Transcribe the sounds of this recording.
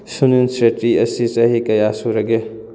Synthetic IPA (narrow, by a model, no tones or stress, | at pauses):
suninsɾetɾiɐsit͡ʃɐɦikɐjasuɾɐɡe